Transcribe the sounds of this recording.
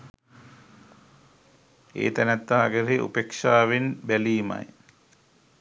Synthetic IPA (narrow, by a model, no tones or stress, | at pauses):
ḛːt̪ænæt̪ːaɦaɡəɾeʔṵpekʂaːʋenbæliːmɐ̰j